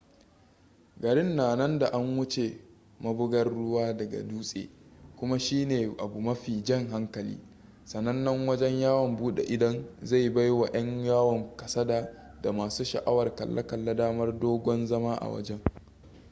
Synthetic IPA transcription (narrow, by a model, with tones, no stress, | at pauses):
ɡɐ˨ɾɪ˦nːaː˨nɐ˦nda˨ʔa˦mwʊ˦t͡ʃe˨ | mɐ˦bʊ˦ɡɐ˦rːʊ˦waː˦dɐ˨ɡa̰˨duː˦sʼḛː˨kʷʊ˦ma˦ʃiː˦neː˨ʔa˨bu˨mɐ˦ɸiː˨d͡ʒɐ˦ŋɦa˦ŋkɐ˨lḭː˦ | sɐ˨nːɐ˦nːɐ˦ŋwɐ˦d͡ʒɛ˦ɲjaː˦wɐ˨mbuː˦ɗḛ˨ʔɪ˦dɐ˦nza˦˨jba˦jwa˨ʔj̰ɐ˦ɲjaː˦wɔ˨ŋkɐ˨sɐ˦daː˨ | da˨maː˨suː˦ʃɐ˨ʔa˦wɐ˨rkɐ˨lːɐ˦kɐ˨lːa˦daː˦mɐ˦rdoː˦ɡʷɔ˦nzɐ˦maː˦ʔa̰˨wɐ̰˦d͡ʒɛ˦ŋ